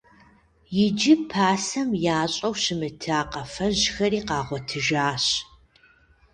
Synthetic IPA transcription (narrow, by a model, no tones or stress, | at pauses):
jɪd͡ʒɪpʰaːsɐmjaːɕʼɐwɕɪmɨtʰaːqɐfɐʑxɐɾiːqɑːʁʷɔtʰɨʒaːɕ